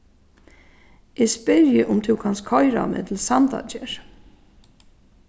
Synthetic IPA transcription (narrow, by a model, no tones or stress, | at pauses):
ʔɛspɪɾjɪʔʊmt̪ʰɪwkʰanskʰɔjɾa̰mɛ̰ːt̪ʰl̩sant̪a̰t͡ʃɛɹ